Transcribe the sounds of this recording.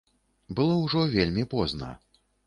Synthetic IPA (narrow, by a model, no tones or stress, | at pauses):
bɨlˠɔwʐɔvʲelʲmʲipɔznɐ̰